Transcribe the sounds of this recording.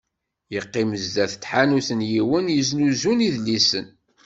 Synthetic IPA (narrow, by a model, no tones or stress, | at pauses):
jəqːiməzd̪æθt̪ːħanuθənjiwənjəznuzuniðlisən